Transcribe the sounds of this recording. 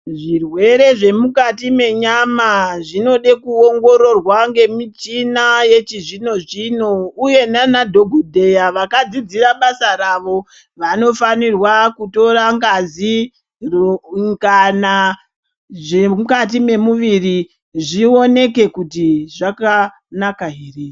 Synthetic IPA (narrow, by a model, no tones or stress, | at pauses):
ʐirwe̞ɾe̞ʐe̞mukatime̞ɲamaʐino̞ɗekuoŋɡo̞ɾo̞rwaŋɡe̞mit͡ʃinaje̞t͡ʃiʐino̞ʐino̞uje̞nanadʱo̞ɡʱodʱe̞jaʋakad͡zid͡ziɾaɓasaɾaʋo̞ | ʋano̞fanirwakuto̞raŋɡazi | roŋɡana | ʐeukat̬ime̞muʋiri | ʐio̞ne̞ke̞kutiʐaka | nakaɦiːre